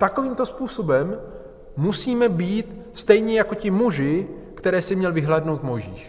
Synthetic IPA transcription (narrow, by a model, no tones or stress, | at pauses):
t̪ako̞viːmt̪o̞spuːso̞bɛmː | usiːmɛbiːt̪ | st̪ɛjɲɛjako̞cɪmuʒɪ | kt̪ɛɾɛːsɪmɲɛlvɪɦlɛːdno̞wt̪mo̞jʒḭːʃ